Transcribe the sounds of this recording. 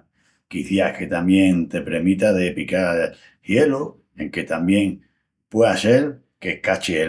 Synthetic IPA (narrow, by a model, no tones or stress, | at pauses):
kiθjahke̞t̪amje̞ŋt̪e̞pɾe̞mit̪aðe̞pika | hje̞lo | e̞ŋke̞t̪ambje̞ŋ | pwease̞l | kekat͡ʃie